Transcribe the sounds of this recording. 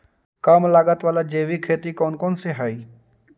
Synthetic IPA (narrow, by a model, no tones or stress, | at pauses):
kamlaːɡət̪ʋaːlad͡ʒeːʋikʰeːt̪ikɔːnkɔːnseɦaːiː